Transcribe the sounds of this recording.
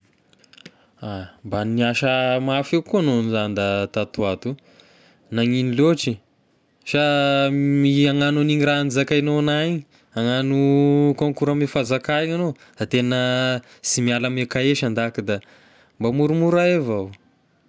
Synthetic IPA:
ambanniaʃəmafewkuanonzand̪at̪at̪uat̪u | naŋiniloʈ͡ʂi | ʃa | iaŋanuniŋiraanizakainonaiɲi | aŋanukoŋkuɾəmefazakaeŋano | d̪̥at̪enə | simialəmekaeʃand̪akid̪a | mbamuɾumuɾaevaw

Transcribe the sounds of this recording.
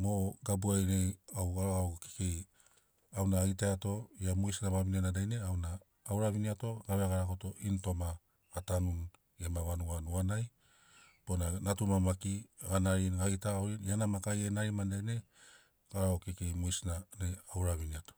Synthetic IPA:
moɡabuajɾejawɡaɾaoke̥kej | awnaːjtaato̞iamujsnaβabinianadajneawnaː | wɾaβiniato̞ɡaβeaɡaɾakoto̞ʔinto̞maː | tanun | emaβanuanuanaj | ponanatumamakiaɡanaɾiajtawɾinjanamakajenaɾimandajne̞ | ɡ̥aɾaokekejmujsnanejawɾaβiniato̥

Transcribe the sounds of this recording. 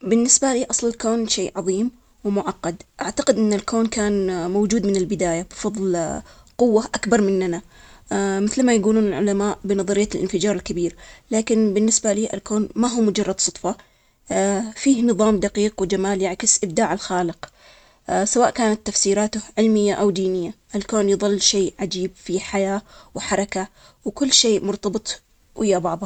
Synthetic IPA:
bɪnːɪsbaliːʔɑsˤlɪlkoːnʃeːʔʕɑðˤiːm | wɪmʊʕɑqːɑd̪ʔaʕt̪aqɪd̪ʔɪnːalkʰoːnkaːnmowd͡ʒuːd̪mɪnɪlbɪd̪aːjabfɑðˤlqʊwːaʔakbɑɾˤmɪnːana | mɪθlmajaɡuːluːnɪlʕʊ̰lamaːʔbɪnɑðˤɑɾɪjːalʔɪ̰nfɪd͡ʒɑːɾˤɪlkabiːɾlaːkɪnbɪnːɪsbaliːʔɪ̰lkoːnmaɦuːmʊd͡ʒɑrˤːɑd̪sˤʊt̪ˤfɑ | fiːhnɨðˤɑːmd̪aqiːqwɪd͡ʒamaːljaʕkɪsʔɪb̚d̪aːʕalxaːlɪq | sawaːʔkaːnat̪ːafsiːɾaːt̪ʊhʕɪlmɪjːaʔawd̪iːnɪjːaʔalkoːnjðˤɨlːʃeːʕad͡ʒiːbfiħajaːwħɑɾˤɑka | wkʊlːʃeːʔmʊɾt̪ɑbɨt̪ˤ | wʔɪjːabɑʕðˤɑ

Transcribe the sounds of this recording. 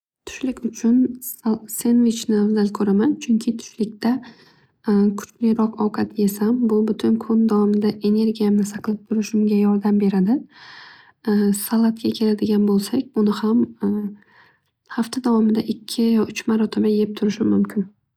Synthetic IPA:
t̪ʰʊ̥ʃlɪkʲʊt͡ʃʰʊn | se̞nvɪt͡ʃnavzalkʰɵɾamant͡ʃʰʊŋʲkʲʰɪt̪ʰʊ̥ʃlɪk̚ʲt̪a | kʰʊ̥t͡ʃlɪjɾɒqɒwqʰat̪je̞sambʊbʊt̪ʰʊnkʰond̪avɒmɪd̪aʔe̞ne̞ɾɡʲijamnɪsaqʰɨlˠɪp̚t̪ʰʊɾɪʃʊmɡʲajɒɾd̪ambe̞ɾad̪ɪ | salˠat̪kʲakʲʰe̞lad̪ɪɡʲanbolˠsakʲʊnɪham | haft̪ʰad̪avɒmɪd̪aʔɪkʲʰːɪjʊt͡ʃmaɾɒt̪ʰamajejɪp̚t̪ʰʊɾɪʃɪmʊmkʲʰɪn

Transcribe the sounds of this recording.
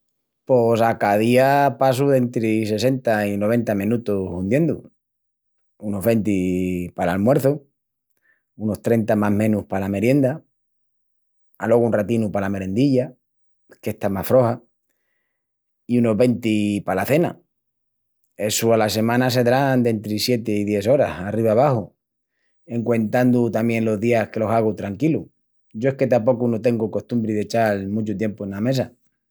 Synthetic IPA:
posakaðiapas̬uðe̞nt̪ɾise̞s̬e̞nt̪aino̞β̞e̞nt̪amĩnut̪ohund̪je̞nd̪ṵ | uno̞ɦβe̞nt̪̬ipalalmwe̞ɾθo | uno̞st̪ɾe̞nt̪amamẽ̞nuhpalame̞ɾje̞nd̪a | a̰lo̞ɣunrat̪inupalame̞ɾe̞nd̪iʎa | ke̞ht̪amasfɾo̞ha | iuno̞ɦβe̞nt̪ipalaθe̞na̰ | e̞sualase̞mãnas̬e̞ðɾand̪e̞nt̪ɾisje̞t̪eiðje̞so̞ɾa̰sariβaːβ̞ahu | e̞ŋkwe̞nt̪and̪ut̪amjẽ̞nlo̞zðiahke̞lo̞saɣ̞ut̪ɾaŋkilu | ɟ͡ʝo̞ehke̞t̪apo̞kunot̪e̞ŋɡuko̞ht̪umbɾiðe̞t͡ʃalmũt͡ʃut̪je̞mpoenːame̞s̬a

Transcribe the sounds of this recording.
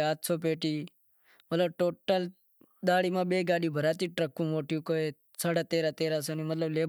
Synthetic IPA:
aːt̪sʰoːp̬eːʈiː | mət̪ləb̚ʈoːʈːəl | d̪aːɽiːmãːbeːɡaːɗiːbʱəɾaːt̪iːʈɾəkːũːmoːʈiʋkoːe | saːɽaːt̪eːɾaːt̪eːɾaːsoːniːmət̪ləbleː

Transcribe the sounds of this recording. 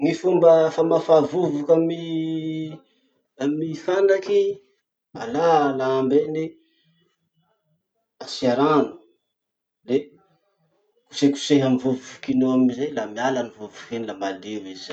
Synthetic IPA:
ŋifumbəfamafavuvukami | mifanɖ͡ʐaki | a̰lalaambeni | asiaɾanu̥ | le | ku̥seku̥seɦanvuvukinoamizajlamialanivuvukenilamad̪ewiza

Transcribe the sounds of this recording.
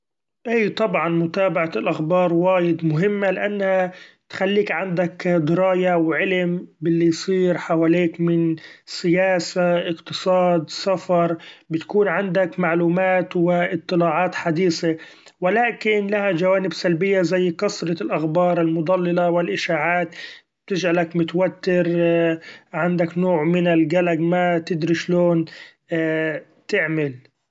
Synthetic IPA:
ʔiːt̪ˤɑbʕɑnmʊt̪aːbaʕalʔaxbɑːɾˤwaːjɪd̪mʊɦɪmːalɪʔanːha | t̪xalːiːkʕand̪akd̪ɪɾˤɑːjawʕɪlmbɪlːijsˤiːɾħawaːliːkmɪnsɪjaːsaʔɪqt̪ɨsˤɑːd̪safɑɾˤbɪt̪kuːnʕand̪akmaʕluːmaːt̪wɪʔɨt̪ˤːɨlɑːʕɑːt̪ħad̪iːse | wɪlaːkɪnlahad͡ʒawaːnɪbsalbɪjːazajːkɑsɾˤɑlʔaxbɑːɾˤɪlmʊd̪ˤɑlːɪlawɪlʔɪʃaːʕaːt̪ | b̥̚t̪ɪd͡ʒʕalakmɪt̪wat̪ːɪɾ | ʕand̪aknoːʕmɪnɪlɡalaɡmat̪ɪd̪ɾiʃloːn | t̪ɪʕmɪl

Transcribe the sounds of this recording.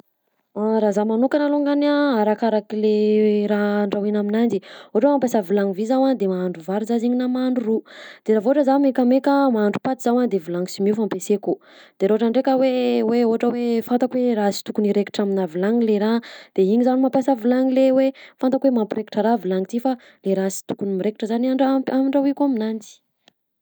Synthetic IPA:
aɾazamanukanaloŋɡanaaɾakaɾakileɾaɳɖ͡ʐawinaminand͡ʒioaʈ͡ʂwemampesavilaŋivizawand̪emaːɳɖ͡ʐuvaɾuzaziɲinamaɳɖ͡ʐurud̪̥eɾavoʈ͡ʂəzamekəmekəmaaɳɖ͡ʐupat̪iz̥awand̪evilaŋisimiufampeseku | d̪̥eɾaooʈ͡ʂaɳɖ͡ʐekəweweoɦʈ͡ʂəwefant̪akweɾasi̥t̪ukuniɾeki̥ʈ͡ʂaminavilaŋileɾad̪̥eiɲizanimampasavilaŋilewefant̪akwemampiɾeki̥ʈ͡ʂəɾavilaŋit̪ifa | leɾasi̥t̪u̥kunimiɾeki̥ʈ͡ʂəzaniaɳɖ͡ʐaamiɳɖ͡ʐawikuaminand͡zi̥

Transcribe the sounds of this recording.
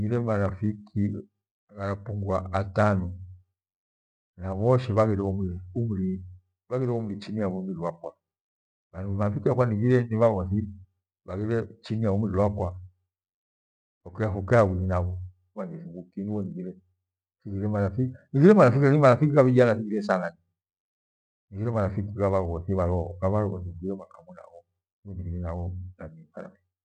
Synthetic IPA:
niɡiɾɛmaɾafikʰi | ɣaɾapuŋɡwaatanɔ | naβɔʃɛβaɣɛɾɛumiiumuɾi | βaɣiɾɛɔmuɾit͡ʃiniaβumiɾiwakwa | anmaɾafikiakwaniɡiɾɛniβaβɔθi | βaɣiɾɛt͡ʃiniaumiɾilwakwa | akɛafukɛawiɾinaβɔ | βaniθiŋɡukiniwɔniɡiɾɛ | fikiɾɛmanafiniɡiɾɛmalafikiaimalafikiaβianaθikiɾɛsanani | niɡiɾɛmaɾafikikaβaɔɡɔθiβaɾɔkaβaɾɔɡɔ̰θiniɡiɾɛmakamuna̰βɔ | wɛniɡiɾɛnaɡɔnanima̰a̰mɛ

